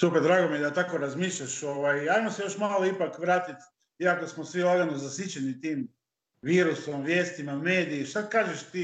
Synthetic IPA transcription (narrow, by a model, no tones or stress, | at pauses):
supeɾd̪ɾaːɡomijed̪at̪akoɾazmiːʃʎʲaʃoʋajajmosejo̞ʃmaːloipakʋɾaːt̪it̪ | iakosmosʋilaɡanozasit͡ɕenit̪iːm | ʋiːɾusomʋjeːst̪imameːd̪iːʃt̪akaːʒeʃt̪i